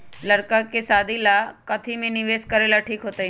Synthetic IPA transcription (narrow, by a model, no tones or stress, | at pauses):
ləɾkakesaːd̪ʱilakɐt̪ʰimẽnɪʋeːskəɾeːlaʈʰiːkɦoːt̪ai